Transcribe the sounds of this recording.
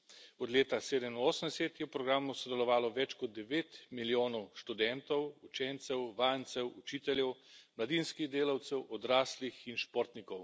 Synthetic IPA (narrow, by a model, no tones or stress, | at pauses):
ɔd̪leːt̪aseːd̪ɛminoːsənd̪ɛset̪jɛwpɾɔɡɾaːmusɔd̪ɛlɔʋaːlɔʋɛt͡ʃkɔd̪̚ːɛʋeːt̪miljoːnɔwʃt̪ud̪ɛnt̪ɔwut͡ʃɛnt̪sɛwʋaːjnt̪sɛwut͡ʃiːt̪ɛljɛwmlad̪inskiɣd̪eːlawt̪sɛwʔɔd̪ɾaːslixinʃpoːɾt̪nikɔw